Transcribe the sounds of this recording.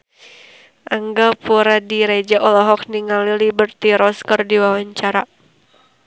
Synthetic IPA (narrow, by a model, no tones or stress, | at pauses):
ʔaŋɡapuɾadiɾed͡ʒaʔɔlɔɦɔk̚niŋalilibərt̪iɾɔskərdiwawaɲt͡ʃaɾa